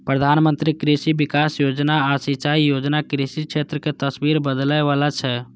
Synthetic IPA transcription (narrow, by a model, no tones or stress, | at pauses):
pɾəd̪ʱanmənt̪ɾikɾisibikasjod͡ʒnaːsit͡ʃaijod͡ʒnakɾisikʃʰet̪ɾəket̪əsbiɾbəd̪ləjʋalat͡ʃʰɛ